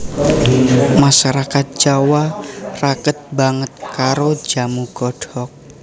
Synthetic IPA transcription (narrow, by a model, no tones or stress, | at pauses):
maʃaɾakat̪̚d͡ʒawarakət̪̚baŋət̪̚kaɾo̥d͡ʒamuɡ̥ɔɖ̥ɔk̚